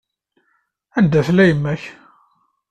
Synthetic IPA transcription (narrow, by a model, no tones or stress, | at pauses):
ænd̪æθlæjəmːæç